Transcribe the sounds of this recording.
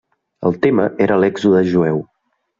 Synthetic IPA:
ə̰lˠt̪eməʔeɾəlɛɡzuðəʒuɛw

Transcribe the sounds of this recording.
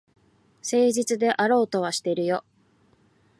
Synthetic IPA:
se̞ːʑit͡sɨd̪e̞ʔaɾo̞ːt̪o̞β̞aɕi̥t̪e̞ɾɯ̟jo̞

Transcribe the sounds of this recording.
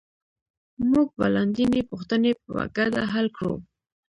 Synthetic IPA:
mʊɡ̚baland̪inepʊxt̪ənepəwa̰ɡad̪a̰ɦalkɽṵ

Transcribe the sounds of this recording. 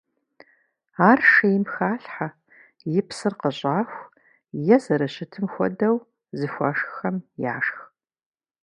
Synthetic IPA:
aːrʂijɪmxaːɬħa | jɪpsɨrqəɕʼaːxʷ | jɛzɐɾɐɕɪtʰɨmxʷɔ̰dɐw | zɨxʷɐːʂxxɐmja̰ːʂx

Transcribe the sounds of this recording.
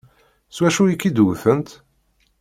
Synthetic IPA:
swæʃujikːid̪wθənt̪

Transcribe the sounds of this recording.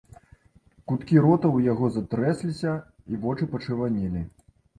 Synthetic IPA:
kut̪kʲiɾɔt̪ɐwjaɣɔzat̪ɾɛsʲlʲisʲɐ | ivɔt͡ʂɨpɐt͡ʂɨvanʲilʲi

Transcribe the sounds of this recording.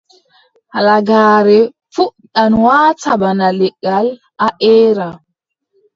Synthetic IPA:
halaɡaːɾɛ | fuɗanwaːtabanalɛɡːal | aʔɛːɾa

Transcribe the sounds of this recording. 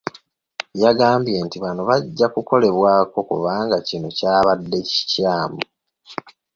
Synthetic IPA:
jaɡaːmbje̞ntiβanoβaɟːakuko̞le̞βwaːko̞kuβaːŋɡacino̞caːβadːe̞ci̥caːmu

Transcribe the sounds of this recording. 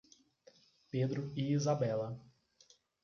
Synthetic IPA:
ped̪ɾʊiizabɛlɐ

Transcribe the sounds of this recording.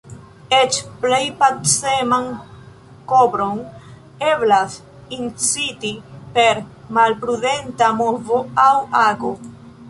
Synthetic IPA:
et͡ʃplejpaseman | kobɾo̞n | e̞blas | int͡sitipe̞ɾmalpɾude̞ntamovo̞awaɡo̞

